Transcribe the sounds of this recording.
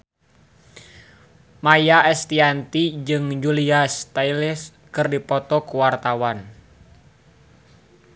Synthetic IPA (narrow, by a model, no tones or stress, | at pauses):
majaɛst̪iant̪id͡ʒɨŋd͡ʒuliast̪ailɛs | kɨrdipɔt̪ɔkuwart̪awan